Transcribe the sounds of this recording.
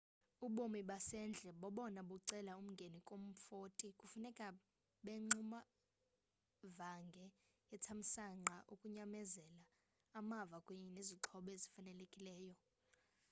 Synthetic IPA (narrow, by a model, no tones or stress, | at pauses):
uɓomiɓasɛnd͡ɮʱɛɓɔɓɔnaɓuǀɛlaum̩ŋɡʱenikʼom̩fotʼikʼufunɛkʼa | ɓeŋ͡ǀuma | vaŋɡʱɛ | jɛtʰam̩saŋ͡ǁaʔukʼuɲamɛzɛlaː | mavakʼweɲɛneziǁʰɔɓɛzifanɛlekʼilɛːjɔ